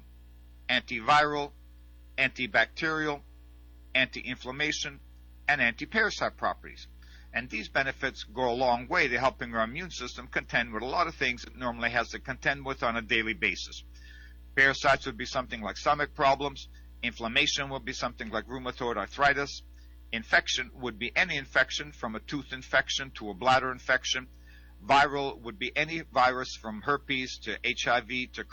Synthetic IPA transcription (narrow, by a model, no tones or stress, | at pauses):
æ̃ntivaɪɹl̩ˠ | æ̃ntibæk̚tʰɪɹil̩ˠ | æ̃ntiʔɪ̃ɱfləmeɪʃɨ̃n | ɨ̃næ̃ntipʰɛɹɨsaɪd̚pʰɹ̥ɑ̰pə˞ɾḭz̥ | ɨ̃nðizbɛnɨfɨtsɡoʊəlɔ̃ŋweɪðɨɦɛlˠpɪ̃ŋə˞ɨ̃mjʉ̃nsɪstə̃mkʰɨ̃ntʰɛ̃nd̚wəðəlɔɾʌv̥θɪ̃ŋzðɨtⁿnɔɹml̩ˠiɨz̥tɨkɨ̃ntʰɛ̃nd̚wəð̃n̩ɨdeɪlˠibeɪsɨs | pʰɛɹɨsaɪtswɨd̚bisʌ̃mθɪ̃ŋlaɪkstʌmɨk̚pʰɹ̥ɑblə̃mz̥ | ɪ̃ɱfləmeɪʃɨ̃nwəd̚bisʌ̃mθɪ̃ŋlaɪkɹʉməθɔɹɾə˞θɹaɪɾɨs | ɨ̃ɱfɛkʃɨ̃nwəd̚biʔɛniɨ̃ɱfɛkʃɨ̃nfɹʌ̃mɨtʰʉθɨ̃ɱfɛkʃɨ̃ntʰəəblæɾə˞ɨ̃ɱfɛkʃɨ̃n | vaɪɹl̩ˠwəd̚biʔɛnivaɪɹɨsfɹʌ̃mhɜ˞piz̥tʰɨʔeɪt͡ʃaɪviɾɨ